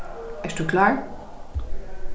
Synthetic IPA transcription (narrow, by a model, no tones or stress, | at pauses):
ʔɛstuklaːɹ